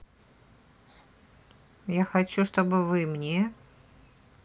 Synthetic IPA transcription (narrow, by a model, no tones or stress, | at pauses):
jaxɐt͡ɕuʂt̪obɨvɨmnʲe